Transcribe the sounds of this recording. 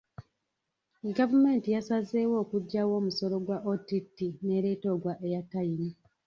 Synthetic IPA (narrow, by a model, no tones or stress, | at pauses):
ɡavume̞ːntijasazewo̞ːkuɟːawo̞ːmuso̞lo̞ɡwaʔotitːine̞ɾe̞ːto̞ːɡwaʔejatːajini